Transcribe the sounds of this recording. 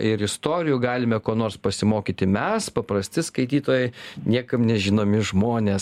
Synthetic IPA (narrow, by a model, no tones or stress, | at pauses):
ɪɾɪst̪oːɾʲɪjuːɡɑːlʲɪmʲɛkoːnoːrspɐsʲɪmoːkʲiːt̪ʲɪmʲɛspɐpɾɐsʲt̪ʲɪskɐɪt̪ʲiːt̪oːjɛɪnʲiɛkɐmnʲɛʒʲɪnoːmʲɪʒmoːnʲeːs